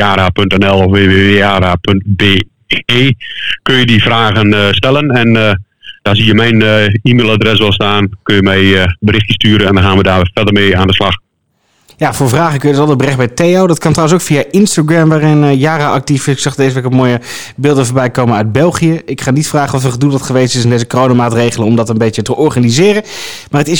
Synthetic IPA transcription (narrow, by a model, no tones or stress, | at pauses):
aːɾapøntɛnɛlˠɔfʋeːʋeːʋeaːɾapønt̚be | eːkønjədifraːɣənstɛlˠənɛn | d̥asijəmɛjnimeːlˠadrɛs̬ʋɛlˠstaːnkønjəmɛjbəɾɪxtəstyəɾənɛndɔnxaːnʋədaːfɛdərmeːaːndəslax | jafoːɹvraːχəkønjədtɔlˠəd̚bərɛχbɛjtejodɔt̚kɑntrawəns̬owkfiaʔɪnstaɡɹɛmʋaːrɪnjaːrəʔɑk̚tifɪsɪksɑχdeːzəʋeːkɔmoːjə | bɪːlˠdəfoːɹbɛjkowmənœɥt̚bɛlˠχijəɪkχaːnitfraːχənɔfəχədulˠdɔtχəʋejstɪsɪndejzəkorownamaːtrejχələnɔmdɑtənbejtjətəʔɔɹχanizɪːrə | maːrətɪs